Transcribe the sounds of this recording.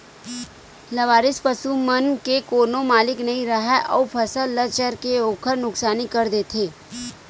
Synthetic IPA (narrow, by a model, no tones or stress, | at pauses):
lɐʋaːɾɪspɐsumɐnkekoːnõmaːlɪknɐɦĩɾɐɦɛʔɔ̰ːpʰɐsəlːɐt͡ʃəɾkeoːkʰəɾnʊksaːnikɐɾd̪eːt̪ʰeː